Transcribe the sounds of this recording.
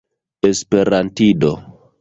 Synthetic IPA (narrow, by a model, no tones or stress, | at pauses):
espe̞ɾantido